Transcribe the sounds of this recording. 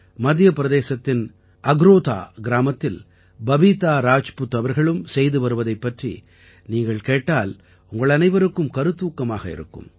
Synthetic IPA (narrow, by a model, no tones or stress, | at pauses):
mɐd̪jɐpɪɾɐðeːsɐt̪ːɪn | ʔɐɡɾoːt̪a̰ːɡɪɾaːmɐt̪ːɪl | bɐʋiːt̪aːɾaːt͡ʃpɯt̪ːɐʋɐɾɣɐɭɯmsɛjðɯʋɐɾɯʋɐðɐɪpːɐʈrḭ | niːŋɡɐɭkeːʈːaːl | ʊŋɡɐɭɐnɐɪʋɐɾɯkːɯmkɐɾɯt̪ːuːkːɐmaːɣɐɪ̰ɾɯ̰kːɯ̰m